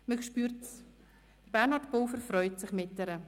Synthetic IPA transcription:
məkʃpyːɾt | d̥əɾbɛɾnhɑɾtbowfəɾfɾœʏtsɪχmɪt̚dɛɾə

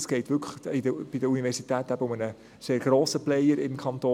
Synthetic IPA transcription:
sɡ̥ɛɪtʋʏkʰəidəb̥idəunivɛɾsitæːtæb̥əʊmənə | seːɾɡ̥ɾoːsəplɛjəɾɪmkʰɑnt̪oː

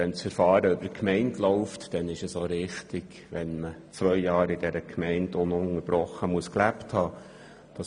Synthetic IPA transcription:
ɛnt͡sfəɾfɑːɾəʏbəkʰmɛɪntlɔʊftd̥ɛnɪʃəsoɾɪχtɪɡ̥ʋɛnmət͡sʋœʏjɑːɾɪd̥ɛɾəkʰmɛɪndʊnʊŋəɾb̥ɾɔχəmuəsklæpthɑː | d̥ɑ

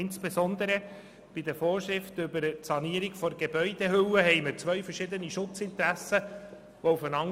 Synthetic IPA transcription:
ɪnsb̥esɔnd̪əɾə | b̥ɪd̪əfoːɾʃɾɪftʏbəɾətsɑniəɾiɡfɔɾɡebœʏd̪ehʏwəɦɛɪməɾt͡sʋœɥfəɾʃɪd̪əniʃʊt͡sɪnt̪ɾæsə | ʋɔufənɑŋ

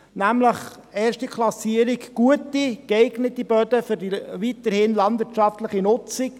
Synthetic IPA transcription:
næmləχ | eːɾʃtikʰlˠɑsiəɾikɡ̥uətːikɛɪɡnətibœd̪əfʏrdiʋit̪əɾhɪnlɑnd̪ʋɪtʃɑft̪ləχinʊt͡sɪk̚

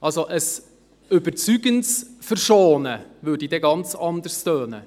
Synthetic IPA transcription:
ʔɑlsoʔəs | ʏbəɾt͡syɡənsfəɾʃoːnəvøːdidɛɡɑnt͡sɑnd̪əɾstøːnə

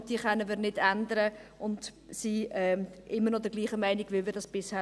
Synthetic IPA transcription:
d̥iːəχœnːəmiːɾnɪdændəɾəʊnd | siɛːʔɪmːəɾnɔdəɾɡ̥liːχəmæɪnɪɡ̥ʋɪlˠmɪːɾdɑsb̥ɪshæː

